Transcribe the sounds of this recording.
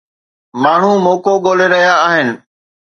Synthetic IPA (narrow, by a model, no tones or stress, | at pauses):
maːɳ̤ũmoːkoɠoːleɾɐɦijaːɦɪnɪ̆